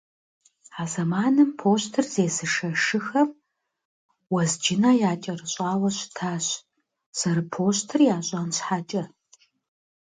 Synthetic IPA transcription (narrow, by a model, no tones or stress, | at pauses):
aːzɐmaːnɨmpʰoːɕtʰɨrzeːsɨʂɐʂɨxɐr | wɐzd͡ʒɪnaːjaːt͡ʃʼɐrɨɕʼaːwɐɕtʰaːɕ | sɐɾɨpʰoːɕtʰɨrjaːɕʼanɕħat͡ʃʼɐ